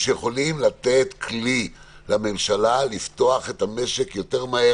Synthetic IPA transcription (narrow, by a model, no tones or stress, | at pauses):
ʃejeχo̞limlat̪e̞tkʰli | lame̞mʃalalift̪o̞aχe̞thame̞ʃekjo̞te̞ʁmae